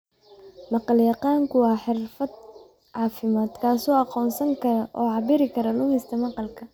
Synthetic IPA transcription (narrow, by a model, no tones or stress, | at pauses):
mɑqɑljɑqɑːŋkʰʊwɑːħɪrfɐd̪̚ | ʕɑːfɪmaːd̪kʰaːsɔːɑqɔːnsɐŋkʰɐɾɐʔɔːʕɑbɪɾɪkʰɐɾɐlʊmɪst̪ʰɐmɑqɑlkʰɐ